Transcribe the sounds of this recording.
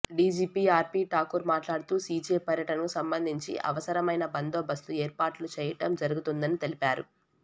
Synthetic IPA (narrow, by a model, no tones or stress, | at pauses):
ɖiːd͡ʒiːpiːaːɾpiːʈaːkuɾmaːʈlaːɽut̪uːsiːd͡ʒeːpɐɾjɐʈɐnɐkusɐmbɐnd̪ʱiɲt͡ʃḭʔɐ̰ʋɐsɐɾɐmɐjnɐbɐnd̪oːbɐst̪ueːɾpaːʈlut͡ʃɛːjɐʈɐmd͡ʒɐɾuɡut̪und̪ɐnit̪e̞lipaːɾṵ